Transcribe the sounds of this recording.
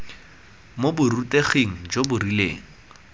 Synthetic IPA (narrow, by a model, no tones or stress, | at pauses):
mobʊrutʼeχeŋ̩d͡ʒobʊrilḛːŋ̩